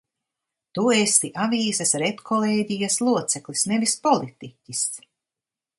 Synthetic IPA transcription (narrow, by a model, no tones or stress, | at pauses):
t̪uest̪iʔaviːsasɾet̪kʰɔlˠeːɟijaslˠuɔt̪sɛklisnevispɔlˠit̪icʲis